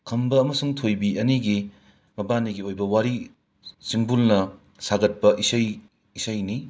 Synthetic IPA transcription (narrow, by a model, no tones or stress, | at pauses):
kʰɐmbɐɐmɐsuŋtʰojbiʔɐniɡi | mɐbaniɡiojbɐwaɾi | simbulnɐ | saɡɐt̚pɐʔisɐj | isɐjni